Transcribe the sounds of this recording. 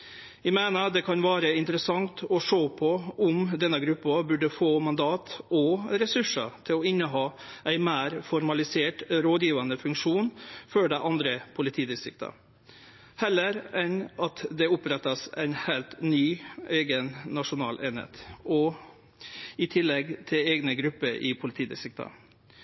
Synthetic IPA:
ʋɪmeːnəd̪ɛkʰɑnʋæːɾəɪnt̪əɾəsɑŋt̪ɔʂoːpʰɔʊmd̪ɛnːəɡɾʉpːɑbʉɖəfoːmɑnd̪ɑːt̪ɔɾɛsʉʂə̰t̪ʰɪlɔɪnːəɦɑːʔæɪmæːɾfɔɾmɑlɪseːʈɾoːd̪jiːʋɑnəfʉŋkʂuːnføːɖæɪʔɑnd̪ɾəpʰʊlɪt̪ʰiːd̪ɪsɪk̚t̪ɑ̰ | hɛlːəɾɛnɑt̪d̪ɛʊpɾɛt̪ːɑsæ̰ɪnhɛɪlt̪nyːeːɡənnɑʂʊnɑːlʔeːnhḛːt̪ʔɔ | ɪt̪ʰɪlːɛɡt̪ʰɪleːɡnəɡɾʉpːəɾʔɪ̰pʰʊlɪt̪ʰiːd̪ɪ̰sɪk̚t̪ɑ̰

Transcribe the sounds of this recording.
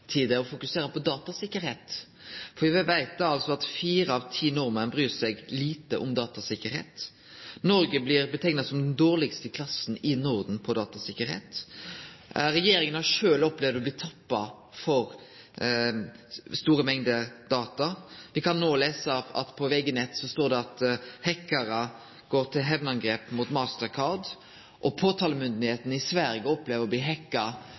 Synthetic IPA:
t̪ʰid̪ɛɔfʊkʉseːɾəpʰɔd̪ɑːt̪ɑsɪkːəɾheːt̪ | fɔʋɛʋæɪt̪̚əɑlt̪sɔɑt̪fiːɾəɑʋt̪ʰiːnɔɾmənbɾyːsɛɡliːt̪ə̰ʔɔmd̪ɑːt̪ɑsɪkːəɾɦḛːt̪ | nɔɾɡəblɪɾbət̪ʰɛŋnɑsɔmd̪ɛnd̪oːʁlɪɡst̪əkʰlɑsnɪnɔʁd̪n̩pʰɔd̪ɑːt̪ɑsɪkːəɾhḛːt̪ | ɾɛjeːɾɪŋənhɑʂøːlɔplɛʋd̪ɔblɪːt̪ʰɑpːɑ | fɔɾ | st̪uːɾəmɛŋd̪əd̪̥ɑːt̪ɑʋɪkʰɑnːoːleːsəɑ̰t̪pʰɔʋɛɡənɛt̪ːsɔst̪oːʁd̪ɛɑt̪hɛkːɑɾə | ɡ̥oːɾt̪ʰɪlɦɛʋnəɑnɡɾeːpmuːt̪mɑːst̪əʁkʰɑʁd̪ | ʔɔpʰoːt̪ʰɑːləmʏnd̪nheːt̪n̩ɪsʋæɾjəɔpleːʋəʁɔbliːɦɛkːɑ

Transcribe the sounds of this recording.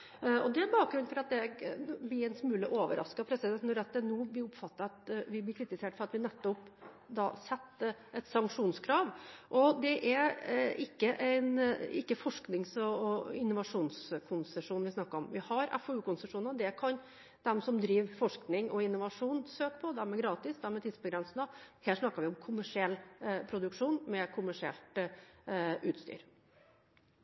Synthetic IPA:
ɔd̪ɛæbɑːk̚ɡɾʉnfɔɾɑt̪̚d̪ɛblɪɾɛnsmʉːləʔoːʋə̰ɾʔɑ̰skɑpʰɾɛsɪd̪ɛnnɔɾɛt̪̚d̪ənuːblɪʊpfɑt̪ːɑɑt̪ʋɪblɪɾkʰɾɪt̪ɪseːʈfɔɾɑt̪ʋɪnɛt̪ːɔp | d̪ɑ̰ːsɛt̪ːɛt̪sɑŋkʂuːnskʰɾɑːʋʔɔd̪ɛʔæɾɪkːəʔæɪnɪkːəfɔʂknɪŋsɔɪnːʊʋɑʂuːnskʰʊnsəʂuːnʋɪsnɑkːəɾɔmʋɪhɑɾɛ̰fɔʉːkʊnsəʂuːnd̪ɛkʰɑn | d̪ɛmsɔmd̪ɾiːʋfɔʂknɪŋɔɪnʊʋɑʂuːnsøːk̚pʰɔd̪ɛmɛɡɾɑːt̪ɪsd̪ɛmɛt̪ʰɪd̪sbəɡɾɛnsənəheːʂnɑkːəɾʋɪʊmkʰʊmæʂɪɛlːpʰɾʊd̪ʉkʂuːnmɛkʰʊmæʂɪɛ̰lt̪ | ʉːt̪st̪y̰ːɾ

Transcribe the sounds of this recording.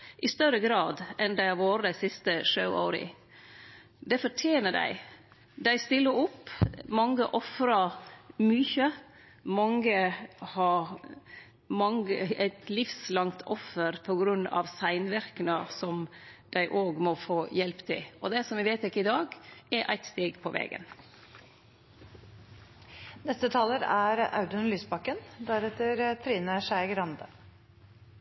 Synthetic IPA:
ʔɪst̪œɾəɡɾɑːd̪ɛnd̪æɪɑʋoːɾəd̪æɪsɪst̪əʂɑʊo̰ːɾɪ̰ | d̪ɛfɔʈʰjeːnəɖæ̰ɪ | d̪æɪst̪ɪlːəɾɔpːmɑŋːəʔɔfɾɑmyːçə | mɑŋːəhɑ | mɑŋəæɪt̪ʰlɪfslɑŋt̪ʰɔfːəɾpʰɔɡɾʉnːɑ̰ʋsæɪnʋæɾkənəsɔmd̪̥æɪʔoːɡmɔfoːjɛlpt̪ʰɪ̰lɔd̪ɛsɔmʋɪʋæɪt̪ɛkːəɪd̪ɑːɡɛʔæ̰ɪt̪st̪eːɡpʰɔʋɛ̰ːɡə̰n | nɛst̪ət̪ʰɑːləɾæɾɑ̰ʉd̪ənlyːsbɑkːənd̪æɾɛt̪əɾt̪ʰɾiːnəʂæɪɡɾɑnd̪ə

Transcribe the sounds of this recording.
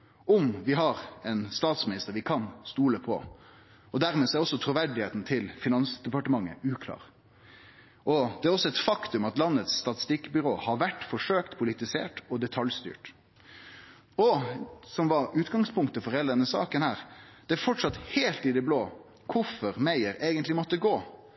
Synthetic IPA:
ʔɔmʋɪɦɑɾɛnst̪ɑːt̪smɪnɪst̪əɾʋɪkʰɑnst̪uːləpʰɔ̰ | ɔd̪æɾmeːsɔæɾɔsːɔt̪ʰɾʊʋæɖɪheːt̪n̩t̪ʰɪlfɪnɑnsd̪ɛpɑʈəmɑŋːə̰ʉːkʰlɑ̰ːɾ | ʔɔd̪ɛæɾɔsːɔɛt̪fɑkt̪ʉmɑt̪lɑnːət̪st̪ɑt̪ɪ̥st̪ɪkːbʏɾoːhɑɾʋæʈːfɔʂøːkt̪pʰʊlɪt̪ɪsḛːʈɔd̪ɛt̪ʰɑljst̪y̰ːʈ | ɔsɔmʋɑɾʉːt̪ɡɑŋspʰʊŋkt̪əfɔɾɛlənəsɑ̰ːkənhæːɾd̪̥ɛæɾfɔʈʂɑt̪heːlt̪ɪd̪ɛbloː | kʰʊɾfɔɾmæɪəɾeːɡənt̪lɪmɔt̪ːəɡoː

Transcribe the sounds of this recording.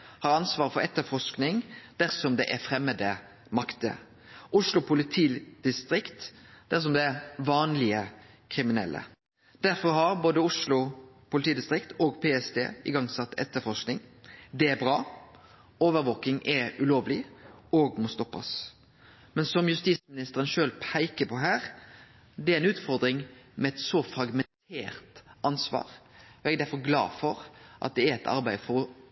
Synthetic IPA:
hɑɾɑnsʋɑːʁfɔɾɛt̪ːəɾfɔʂknɪŋd̪̥æɾsɔmd̪ɛʔæɾfɾɛmːəd̪ə | mɑkt̪ə̰ | ʔʊʂlʊpʰʊlɪt̪ʰiːd̪̥ɪst̪ɾɪkt̪d̪̥æʁs̬ɔmd̪ɛæɾʋɑːnlɪə | kʰɾɪmɪnɛ̰lʔə̰ | d̪̥æɾfɔɾhɑɾboːd̪əʊʂlʊ | pʰʊlɪt̪ʰiːd̪ɪst̪ɾɪkt̪oːɡpʰeːɛsd̪ḛːɪ̰ɡɑŋsɑt̪ːɛ̰t̪ːəfɔʂknɪŋd̪ɛæɾbʁɑː | oːʋəɾʋoːkɪŋʔɛʉloːʋlɪoːɡmɔst̪ɔpːɑ̰s | mɛnsɔmjʉst̪iːsmɪnɪst̪əɾʁənʃøːlpʰæɪkəpʰɔɦæːʁ | d̪ɛæɾæɪnʉːt̪fɔɾd̪ɾɪŋmɛɛt̪sɔfɾɑɡmɛnt̪ʰḛːɾt̪ɑnsʋɑ̰ːʁ | ɔɛɡd̪æɾfɔʁɡlɑ̰ːfɔʁʔɑ̰t̪̚d̪ɛæɾɛt̪ʰɑ̰ɾbæɪfɔʁɔ

